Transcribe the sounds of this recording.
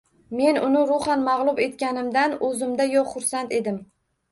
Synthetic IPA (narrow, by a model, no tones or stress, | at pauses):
me̞nʊnɪɾʊχanmɑʁlˠʊbe̞t̪̚kʲanɪmd̪anɵzɪmd̪ajɒqχʊɾsant̪e̞d̪ɪm